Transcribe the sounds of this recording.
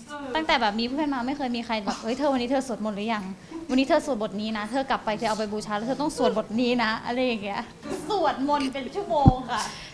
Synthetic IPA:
t̪a˥˩ŋt̪ɛː˨˩bɛː˨˩p̚miː˧p̪ʰːmaː˧ma˥˩jkʰɤː˧jmiː˧xʰa˧jbɛː˨˩p̚hɤ˦˥jt̪ʰɤː˧wa˧nːiː˦˥t̪ʰːsu˨˩ət̪̚mo˧nlɯ˦˥ja˧˩ŋ | wa˧nːiː˦˥t̪ʰɤː˧su˨˩ət̚bo˨˩t̪̚niː˦˥na˦˥t̪ʰɤː˧kla˨˩pːa˧jt̪ʰɤː˧a˧wp̬a˧jbuː˧˩t͡ɕʰaː˧lːwt̪ʰːt̪ɔ˥˩ŋsu˨˩ət̪̚bo˨˩t̪̚niː˦˥na˦˥ʔa˧ɾa˧ja˨˩ŋːi˦˥ɐə | su˨˩ət̪̚mo˧npe˧nt͡ɕʰu˥˩˨moː˧ŋkʰa˥˩

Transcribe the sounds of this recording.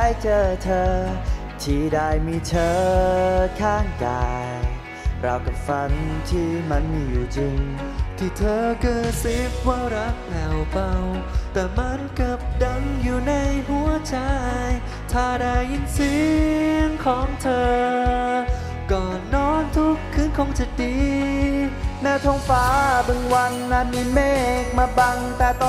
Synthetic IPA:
a˧˥jt͡ɕɤː˧t̪ʰɤː˧ | t̪ʰiː˧˩daː˧˩jmiː˧t̪ʰɤː˧ | kʰaː˧˥˩ŋkaː˧j | ɾa˧wka˧˩fa˧nt̪ʰiː˧˥˩ma˧˥nmiː˧juː˨˩t͡ɕi˧ŋ | t̪ʰiː˧˩t̪ʰɤː˧kɤː˨˧˩t̪̚si˦˥p̚waː˧wɾa˦˥k̚plɛː˨˩wpa˧wt̪ɛː˨˩ma˧˥nka˧˩p̚da˧ŋjuː˨˩na˧jɦu˨˩˦ət͡ɕa˧j | t̪ʰaː˧˩da˧jʔi˧nsi˨˦ŋkʰɔː˨˦ŋt̪ʰɤː˧ | kɔː˨˩nːɔː˧˥nt̪ʰu˦˥kʰːɯː˧˥˨nkʰo˧ŋt͡ɕa˧˩diː˨˧˦ | naː˧˩t̪ʰɔː˧ŋfaː˧˦bɯ˧ŋwa˧nːa˧nmiː˧˥meː˥˩k̚maː˧ba˧ŋt̪ɛː˨˩t̪ɔ˧

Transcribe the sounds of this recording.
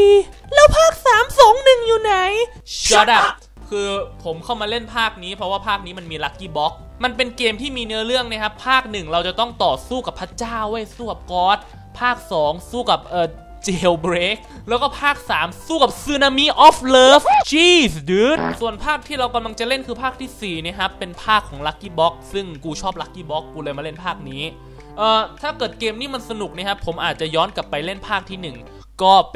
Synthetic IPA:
i˧lɛː˦˥wpʰaː˥˩k̚saː˩˦msɔː˩˦ŋnɯ˨˩ŋjuː˨˩na˨˩˦j | jɔ˧˩da˧˩ | kʰɯː˧pʰo˩˦mkʰa˥˩wmaː˧le˥˩npʰaː˥˩k̚niː˦˥pʰɾɔ˦˥waː˥˩pʰaː˥˩k̚niː˦˥ma˧nmiː˧la˦˥k̚ːiː˧˥˩bɔ˦˥k̚ | ma˧npe˧nkeː˧mt̪ʰiː˥˩miː˧nɯ˦˥ɐɾɯ˥˩əŋna˥˩kʰa˦˥pʰːaː˥˩k̚nɯ˨˩ŋɾa˧wt͡ɕa˨˩t̪ɔ˥˩ŋt̪ɔː˨˩suː˥˩ka˨˩pʰːa˦˥t͡ɕaː˥˩wwa˥˩jsuː˥˩ka˨˩p̚kɔː˦˥t̪̚ | pʰaː˥˩k̚sɔː˩˦ŋsuː˥˩ka˨˩p̚ʔɤː˨˩ | t͡ɕeː˧wbɾeː˦˥k̚ | lɛː˦˥wkɔː˥˩pʰaː˥˩k̚saː˩˦msuː˥˩ka˨˩p̚sɯ˧na˧mi˦˥ʔɔː˦˥flɤː˦˥ft͡ɕiː˥˩sdɯ˨˦˥t̪̚su˨˩ənpʰaː˥˩k̚t̪ʰiː˥˩ɾa˧wka˧mla˧ŋt͡ɕa˨˩le˥˩nkʰɯː˧pʰaː˥˩k̚t̪ʰiː˥˩siː˨˩ni˥˩kʰa˦˥pːe˧npʰaː˥˩kʰːɔː˩˦ŋla˦˥kːiː˧˩bɔ˦˥k̚sɯ˥˩ŋkuː˧t͡ɕʰɔː˥˩p̚la˦˥k̚ːiː˥˩bɔ˦˥kːuː˧lɤː˧jmaː˧le˥˩npʰaː˥˩k̚niː˦˥ | ʔɤː˨˧˩t̪ʰaː˥˩kɤː˨˩t̪̚keː˧mniː˦˥˩ma˧nsa˧nu˨˩k̚ni˦˥˩kʰa˦˥pʰo˩˦mʔaː˨˩t̪̚t͡ɕa˨˩jɔː˦˥nka˨˩pːa˧jle˥˩npʰaː˥˩k̚t̪ʰiː˥˩nɯ˨˩ŋ | kɔː˥˩p

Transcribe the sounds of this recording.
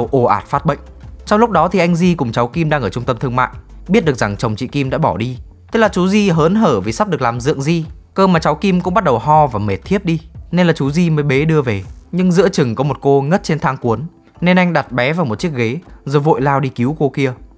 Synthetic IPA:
wʔo˧˩ʔaː˨˩t̚faː˦˥t̚ɓə̰˧˨jŋ̟t͡ɕɔ˧wŋ͡mlʊ˥k͡p̚ɗɔ˨˦t̪ʰi˨˩ʔa˧jŋ̟zi˧kʊ˨˩ŋ͡mt͡ɕa˨˦wki˧mɗaː˧ŋʔəː˧˩t͡ɕʊ˧ŋ͡mt̪ə˧mt̪ʰɨ˧əŋma̰ː˧˨j | ɓi˦˥t̚ɗəkza˨˩ŋt͡ɕə˨˩wŋ͡mt͡ɕḭ˧˨ki˧mɗa̰ː˧˥ɓɔ˧˩ɗi˧ | t̪ə˦˥k̚laː˨˩t͡ɕu˨˦zi˧ɦəː˨˦nɦəː˧˩vi˨˩sa˦˥p̚ɗɨ˨˩əklaː˨˩mzɨ̰˧˨əŋzi˧ | kəː˧maː˨˩t͡ɕa˨˦wki˧mkʊ̰˧˥ŋ͡mɓa˦˥t̚ɗə˨˩wɦɔ˧vaː˨˩me˨˩t̚t̪ʰi˦˥əp̚ɗi˧ne˧nlaː˨˩t͡ɕu˨˦zi˧məː˨˦jɓe˨˦ɗɨ˧əve˨˩ɲɨ˧ŋzɨ̰˧˥ət͡ɕɨ˨˩ŋkɔ˨˦mo˨˩t̚ko˧ŋə˦˥t̚t͡ɕe˧nt̪ʰaː˨˦ŋku˨˦ən | ne˧nʔa˧jŋ̟ɗa˨˩t̚ɓɛ˨˦vaː˨˩wmo˨˩t̚t͡ɕi˦˥ək̚ɣe˨˦zo˨˩jvo̰˧˨jlaː˧wɗi˧ki˨˦wko˧ki˧ə

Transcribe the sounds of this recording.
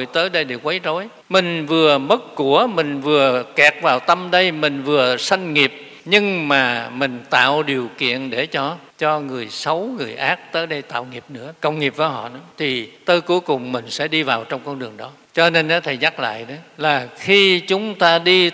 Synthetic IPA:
əjt̪əː˨˦jɗə˧jɗi˨˩kwə˨˦jt̪o˨˦j | mï˨˩ŋ̟vɨ˨˩əmə˦˥t̚ku˧˩əmï˨˩ŋ̟vɨ˨˩əkɛ˨˩t̚vaː˨˩wt̪ə˧mɗə˧jmï˨˩ŋ̟vɨ˨˩əsa˧jŋ̟ŋi˨˩əp̚ | ɲɨ˧ŋmaː˨˩mï˨˩ŋ̟t̪a̰ː˧˨wɗi˨˩əwkḭ˧˨ənɗe˧˩t͡ɕɔ˧ | t͡ɕɔ˧ŋɨ˨˩əjsə˨˦wŋɨ˨˩əjʔaː˦˥k̚t̪əː˨˦jɗə˧jt̪a̰ː˧˨wŋi˨˩əp̚nɨ̰˧˥əkə˧wŋ͡mŋi˨˩p̚vaː˨˦jɦɔ̰˧˨nɔ˨˦t̪ʰi˨˩t̪əː˧˦jku˨˦jkʊ˨˩ŋ͡mmï˨˩ŋ̟sɛ̰˧˥ɗi˧vaː˨˩wt͡ɕɔ˧wŋ͡mkɔ˧nɗɨ˨˩əŋɗɔ˨˦ | t͡ɕɔ˧ne˧nkɔ˨˦t̪ʰi˨˧˩ɲa˦˥k̚la̰ː˧˨jɗə˨˦laː˨˩xi˧t͡ɕʊ˨˦ŋ͡mt̪aː˧ɗi˧

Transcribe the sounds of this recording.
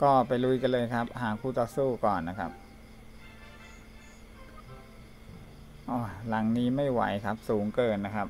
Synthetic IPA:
kɔː˥˩pa˧jɾu˦˥jka˧nlɤː˧jkʰa˦˥p̚haː˩˦ŋkʰuː˧˩t̪ɔː˧˦suː˥˩kɔː˨˩nːa˦˥kʰa̰˦˥p̚ | ʔɔː˧˩la˨˩˦ŋniː˦˥ma˥˩jwa̰˩˦jkʰa˦˥p̚suː˩˦ŋkɤː˧nːa˦˥kʰa˦˥p̚

